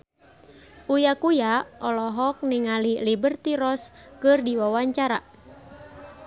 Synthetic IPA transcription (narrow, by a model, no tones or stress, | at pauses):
ʔujakujaʔɔlɔɦɔk̚niŋalilibərt̪iɾɔskɨrdiwawaɲt͡ʃaɾa̰